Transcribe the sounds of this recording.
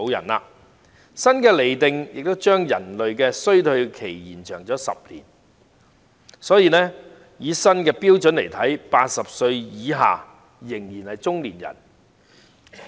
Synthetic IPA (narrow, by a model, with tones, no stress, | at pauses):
jɐ̰˨˩nlaː˧ | sɐ˥nkɛː˧le˨˩jt̪ɪ˨ŋjɪ̰˨k̚t̪o˥wt͡ʃœː˥ŋjɐ˨˩nlɵ˨ɥkɛː˧sɵ˥ɥt̪ʰɵ˧ɥkʰe˨˩jjiː˨˩nt͡ʃʰœː˨˩ŋt͡sɔː˨˥sɐ̰˨p̚lḭː˨˩n | sɔː˨˥jiː˨nɛː˥ | jiː˨˥sɐ˥nkɛː˧piː˥wt͡sɵ˨˥nle˨˩jt̪ʰɐ˨˥jpaː˧t̚sɐ˨p̚sɵ˧ɥjiː˨˥ɦa̰ː˨ | jɪ˨˩ŋjiː˨˩nhɐ˨jt͡sʊ˥ŋliː˨˩njɐ̰˨˩n